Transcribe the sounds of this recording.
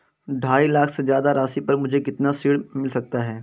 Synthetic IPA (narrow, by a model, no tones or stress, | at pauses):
ɖʱaːilaːkʰsed͡ʒjaːd̪aɾaːsipɐɾmʊd͡ʒʱekɪt̪nasiːɽmɪlsɐk̚t̪aɦɛː